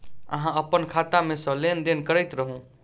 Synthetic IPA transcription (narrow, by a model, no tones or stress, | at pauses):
ə̰ɦãəpənkʰat̪amesə̃lend̪enkəɾəjt̪ɾəɦũ